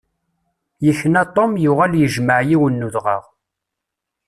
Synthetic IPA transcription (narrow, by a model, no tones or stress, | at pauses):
jəçːnæt̪ˤːomjʊʁæljəʒməʕjiwənːuðʁə̰ʁ